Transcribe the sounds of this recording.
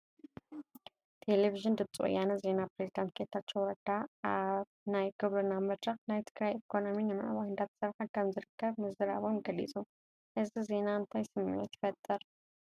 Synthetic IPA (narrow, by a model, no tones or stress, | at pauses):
t̪ʰe̞leviʒɨnd̪ɨbt͡sʼɨ̰ʔʼɨ̰janɐze̞napɾezid̪ant̪̚kʼet̪ʰat͡ʃːowɐd̪̥aʔaβ | najɡ̥oβɐɾnamɐd̪ʼɾɐxnajt̪ʰɨɡɾajikʰo̞no̞minɨmɨ̰ʕβahɨnd̪at̪ʰsɐɾħankʰɐmzɨɾɨkʰːɐβmɨzɨɾaβo̞mɡɐlḭt͡sʼu | ʔɨzize̞naɨnt̪ʰajsɨmːḭʕot̪ʰjɪ̥fɐt̪ʼːɨɾ